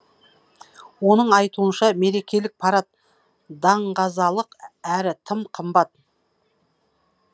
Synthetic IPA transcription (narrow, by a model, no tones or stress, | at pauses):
wo̞nəɴɑjt̪uənʃɑme̞ɾe̞kʲe̞lɪk̚pʰɑɾɑt̪̚ | d̪ɑɴqɑzɑlˠəqæɾɪt̪ʰəmqʰəmbɑt̪̚